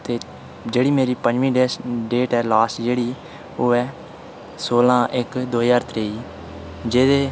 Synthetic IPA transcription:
t̪eː | d͡ʒeːɽiːmeːɾiːpə̃d͡ʒʋĩːɖeːɖeːʈɛːlaːsʈd͡ʒeːɽiː | oːɛː | soːlãːʔɪkd̪oːaːɾt̪ɾeːiː | d͡ʒeːd̪eː

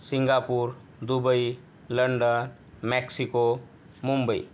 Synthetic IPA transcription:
siŋɡapuɾ | d̪ubəj | ləɳɖən | mɛksiko | mumbəj̰

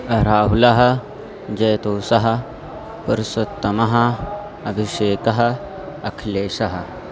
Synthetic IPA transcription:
ɾaːɦulɐɦɐ̆ | d͡ʒɐjt̪oːsɐɦɐ̆ | pɐɾsɐt̪ːɐmɐɦɐ | ɐbʱiʃeːkɐɦɐ̆ | ɐkʰleːʃɐɦɐ̆

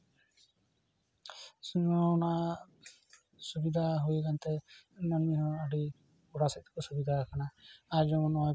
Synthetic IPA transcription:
sunɔna | subid̪ʱaɦujɡant̪enɔniɦɔːɽi | uɽasɛt̪kusubid̪ʱakanaad͡ʒɔmɔnɔɔ

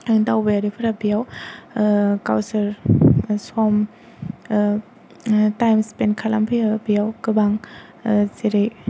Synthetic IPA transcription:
ɯŋdawbajaɾipʰɯɾabijaw | ka̰wsɐɾsɔm | tajmspenkʰala̰mpʰɯjabijawkɯbaŋ | seɾej

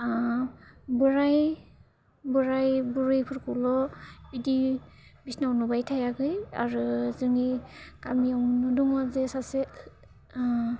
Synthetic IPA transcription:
a | bɯɾaj | buɾajbuɾɯjpʰɯɾkʰulɔbidibisnawnubajtʰajaɡɯja̰ɾɯzɯŋikamijawnuduŋɔzesase

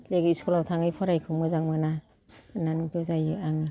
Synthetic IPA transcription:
leɡɯiskɔlawtʰaŋɯjpʰɔɾajkʰɯmɯzaŋmɯna | nanutɯzajɯaŋi

